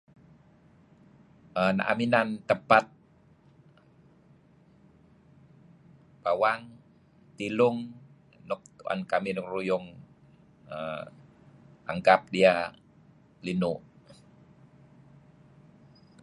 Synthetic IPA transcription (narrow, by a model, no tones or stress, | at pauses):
əna̰ʔaminant̪əpat̪̚ | b̥awaŋ | t̪ilʊŋ | nɔk̪̚a̰nkaminkrujʊŋ | ə | a̰ŋkap̚dia | linuʔ